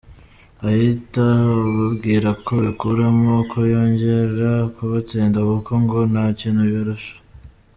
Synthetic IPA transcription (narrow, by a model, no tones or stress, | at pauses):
ahitaβabɡiːɾakoβikuɾemokʰojoːɲɟeɾakuβat͡siːndaβukoŋɡonacinuβjoɾuʃo̥